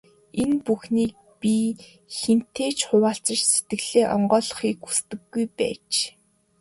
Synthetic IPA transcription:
enpuxniːk̚ | pi | xen̥t̪ʰeːt͡ɕχʊwaːɬt͡sə̆t͡ɕse̥t̪̚ɡɘ̆ɣɮ̥eːʔɔ̰ɴɢɔːɮɞ̆χiːku̥st̪ɘ̆wːujpæ̰ːt͡ɕ

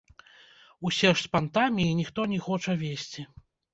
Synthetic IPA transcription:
usʲɛʂspant̪amʲiːnʲixt̪ɔnʲixɔt͡ʂɐvʲesʲt͡sʲi

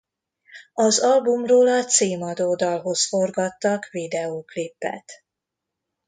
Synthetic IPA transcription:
ɒzɒlbumroːlɒt̪seːmɒd̪oːd̪ɒlɦo̞sforɡɒt̪ːɒkvid̪ɛoːklipːɛ̰t̪

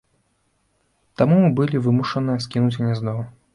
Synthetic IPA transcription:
t̪amubɨlʲivɨmuʂɐnɨjɛskʲinut͡sʲɣnʲɛznɔ

